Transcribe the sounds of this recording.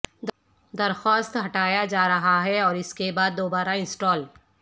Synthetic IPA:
d̪ɐɾxɔːst̪ɦɐʈaːjad͡ʒaːɾɐɦaɦɛɔːɾɪskebaːd̪ːoːbaːɾaɪ̃nsʈɔːl

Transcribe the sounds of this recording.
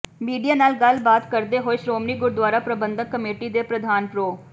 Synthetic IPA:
miːɖijaːnaːlɡəlbaːt̪kəɾd̪eːɦoːeːʃɾoːmniːɡʊɾd̪waːɾaːpɾəbənd̪əkəmeːʈiːd̪eːpɾəd̪ʱaːnpɾoː

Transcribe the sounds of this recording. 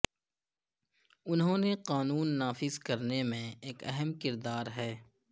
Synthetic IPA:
ʊnɦõːneqaːnuːnːaːfɪzkɐɾnemẽeːkɛɦɛmkɪɾd̪aːɾɦɛː

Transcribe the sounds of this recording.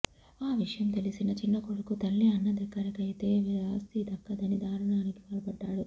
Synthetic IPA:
aːʋiʂɐjɐmt̪e̞lisinɐt͡ʃinːɐkuɽɐkut̪ɐlːiɐnːɐd̪ɐkːɐɾɐkɐjit̪e̞ːʋiɾaːst̪id̪ɐkːɐd̪ɐnid̪aːɾɐɳaːnikiʋɐːlɐpɐɖːaːɽu

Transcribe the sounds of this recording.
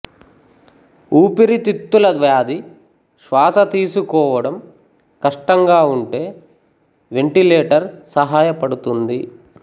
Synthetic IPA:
uːpiɾit̪it̪ːulɐd̪ʋjaːd̪i | ʃʋaːsɐt̪iːsukɔːʋɐɽɐm | kɐʂʈɐŋɡaːuɳʈe̞ː | ʋe̞ɳʈileːʈɐɾsɐɦaːjɐpɐɽut̪und̪i

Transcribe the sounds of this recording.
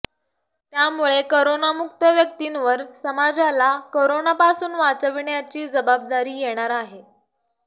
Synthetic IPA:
t̪jamuɭekoɾonamuk̚t̪əʋjək̚t̪inʋəɾsəmad͡zalakoɾonapasuːnʋat͡səʋiɳjat͡ɕiːd͡zəbab̚d̪aɾiːjeɽ̃aɾaɦe

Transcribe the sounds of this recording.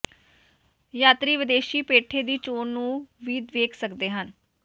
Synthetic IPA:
jaːt̪ɾiːʋɪd̪eːʃiːpeːʈʰeːd̪iːt͡ʃoːnnũːʋiːd̪ʋeːkʰsəkd̪eːɦən

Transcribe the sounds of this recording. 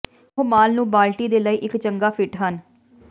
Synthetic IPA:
ɦoːmaːlnũːbaːlʈiːd̪eːləiːʔɪkt͡ʃəŋɡaːpʰɪʈɦən

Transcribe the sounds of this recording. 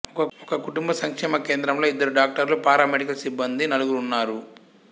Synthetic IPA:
ɔkɐɔkɐkuʈumbɐsɐŋkʂɛːmɐke̞ːnd̪ɾɐmlo̞ːid̪ːɐɾuɖaːk̚ʈɐɾlupaːɾaːmeɽikɐlsibːɐnd̪inɐluɡuɾunːaːɾu

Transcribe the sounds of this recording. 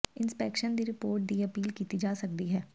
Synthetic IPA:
ɪ̃nspɛːkʃənd̪iɾɪpoːɾʈ̚d̪iɐpiːlkiːt̪id͡ʒaːsɐk̚d̪iɦɛː

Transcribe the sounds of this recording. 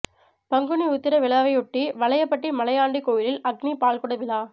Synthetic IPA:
pɐŋɡɯniʊt̪ːɪɾɐʋɪɭaːʋɐɪʊʈːiʋɐɭɐjɐpːɐʈːɪmɐlɐjaːɳɖikoːjɪlɪlɐɡnipaːlkʊɽɐʋɪlaː

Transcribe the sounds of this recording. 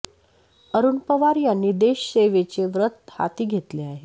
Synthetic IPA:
əɾuːnpəʋaɾjənːid̪eɕseʋet͡ɕeʋɾət̪ha̰t̪iːɡʱet̪leaɦe

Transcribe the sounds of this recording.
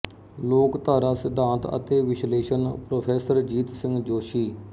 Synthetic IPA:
loːkt̪aːɾaːsɪd̪ʱãːnt̪ə̰t̪eːʋɪʃleːʃənpɾoːpʰeːsəɾd͡ʒiːt̪sɪ̃ŋɡd͡ʒoːʃiː

